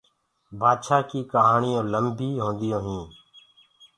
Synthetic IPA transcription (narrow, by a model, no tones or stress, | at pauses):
bʱaːd̪ʃaːkiːkəɦaːɳiːõːləmbiːɦõːnd̪ɪjõːɦĩː